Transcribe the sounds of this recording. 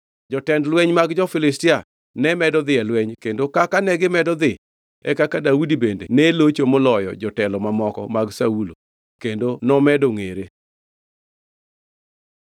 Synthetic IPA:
d͡ʒɔtɛndlwɛɲmaɡd͡ʒɔfɪlɪstɪa | nɛmɛdɔd̪ɪɛlwɛɲkendokakanɛɡɪmɛdɔd̪ɪ | ɛkakadaudibendenelot͡ʃomolɔjɔ̰d͡ʒɔtɛlɔmamɔkɔ̰maɡsaulo̰ | kendonɔmɛdɔŋeɾe

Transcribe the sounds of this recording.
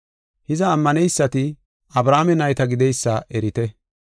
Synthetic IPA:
hɪzɐːmːɐnɛjsːɐt̪ɪ | ɐbɾaːmɛnɐjt̪ɐɡɪd̪ɛjsːɐʔɛɾɪt̪ɛ

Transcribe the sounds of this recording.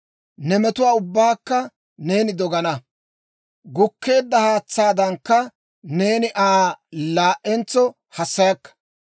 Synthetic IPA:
nɛmɛt̪ʊwaːʊbːaːkːɐ | ne̞ːnɪd̪ɔɡɐnɐ | ɡʊkːe̞ːd̪ːɐhaːt͡sːaːd̪ɐŋkːɐ | ne̞ːnɪʔaːlaːʔːɛnt͡sːɔ | hɐsːɐjɐkːɐ̥

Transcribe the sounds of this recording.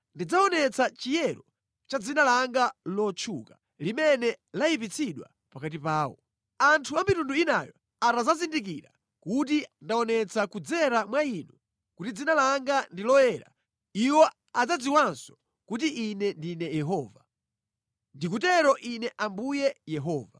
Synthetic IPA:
ndid͡zaɔnɛt͡sʰat͡ʃijɛɾɔ | t͡ʃad͡zinalaŋɡalɔt͡ʃʰṵka | limɛnɛlaip̬it͡sʰiɗwa̰ | pakat̬ipaːwɔ̰ | antʰuamitunduinajɔ | atazazindik̬iɾa̰ | kut̬indaɔnɛt͡sʰakud͡zɛɾamwainu | kutid͡zinalaŋɡandilɔjɛːɾa̰ | iwɔ | ad͡zad͡ziwansɔ̥ | kut̬iʔinɛndinɛjɛɦɔːva | ndik̬utɛɾɔʔinɛʔambujɛjɛɦɔːva

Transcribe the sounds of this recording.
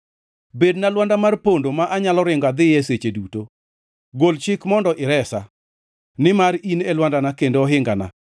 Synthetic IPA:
bednalwandamarpondomaʔaɲalɔɾɪŋɡad̪ɪjɛset͡ʃeduto | ɡolt͡ʃɪkmɔndɔʔɪɾɛsa | nɪmaɾinelwandanakendoɔɦɪŋɡana̰

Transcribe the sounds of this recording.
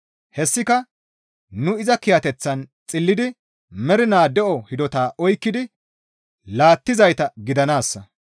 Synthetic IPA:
hɛsːɪkɐ | nʊɪzɐkɪjɐt̪ɛt͡sːɐnt͡sʼɪlːɪd̪ɪ | mɛɾɪnaːd̪ɛʔɔhɪd̪ɔt̪aːʔɔjkːɪd̪ɪ | laːt̪ːɪzɐjt̪ɐɡɪd̪ɐnaːsːɐ

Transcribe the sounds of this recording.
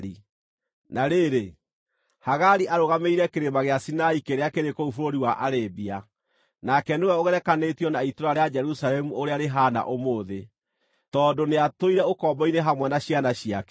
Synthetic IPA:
i | naɾeːɾe | haɣaɾiʔaɾoɣameiɾɛkeɾemaɣeasinaikeɾeakeɾekɔufoɾoɾiwaʔaɾebia | nakɛnewɛoɣɛɾɛkanetiɔnaitoɾaɾead͡ʒɛɾusalɛmuoɾeaɾeɦana̰ʔomoːðe | tɔːdoneatoiɾɛokɔːmbɔineɦamwɛnaɕianaɕijakɛ

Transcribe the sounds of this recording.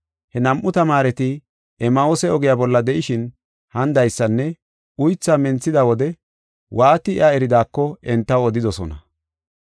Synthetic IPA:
hɛnɐmʔːʊt̪ɐmaːɾɛt̪ɪ | ɛmɐoːsɛɔɡɪjaːbɔlːɐd̪ɛʔɪʃɪn | hɐnd̪ɐjsːɐnːɛ | ʊjt͡sːamɛnt͡sːɪd̪ɐwɔd̪ɛ | wʔaːt̪ɪ̰ʔɐɛɾɪd̪aːkːɔɛnt̪ːɐwɔd̪ɪd̪ɔsɔ̰nɐ̰

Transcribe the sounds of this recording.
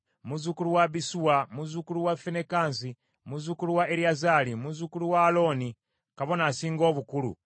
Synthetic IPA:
muzukuluwabisuwamuzukuluwafenekans̬i | muzukuluwaeɾiazalimuzukuluwaloni | kaβonasiːŋɡoːβukulṵ

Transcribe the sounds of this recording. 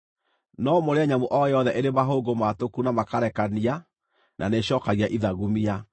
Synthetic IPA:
nɔmoɾeaɲamoʔɔjɔðɛʔeɾeβaɦoːɡomatokunamakaɾɛkania | nʔaneɕɔkaɣiaʔiðaɣumia

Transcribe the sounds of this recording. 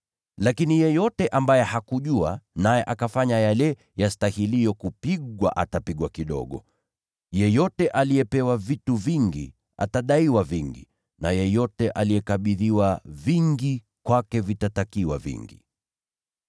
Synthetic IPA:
lakinijɛjɔtɛʔambajɛhakuʄuanajɛʔakafaɲajalɛ | jastahilijɔkupiɠwa̰ʔa̰tapiɠwakiɗɔ̰ɠɔ̰ | jɛjɔtɛʔaliɛpɛwavituviŋɡḭ | a̰taɗaiwaviŋɡḭ | najɛjɔtɛʔalijɛkaɓiðiwaviŋɡi | kwakɛvitatakiwa̰vḭŋɡḭ

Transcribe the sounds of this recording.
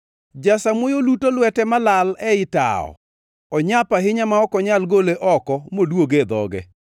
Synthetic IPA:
d͡ʒasamwojolutolwɛtɛmalalɛɪta̰ɔ̰ | ɔɲapaɦɪɲamaɔkɔɲalɡoleʔɔkɔmodwoɡed̪ɔ̰ɡɛ̰

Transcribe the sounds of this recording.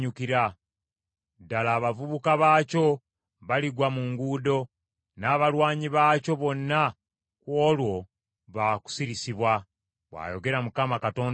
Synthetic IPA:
ɲukiɾa | dalaːβavuβukaβaːco̞ | βaliɡwamuŋɡudo̞ | naːβalwaːɲiβaːco̞βo̞nːa | kwo̞ːlwo̞ | βaku̥siɾisiβwa | βwa̰ːjo̞ɡe̞ɾamukamakato̞ːn

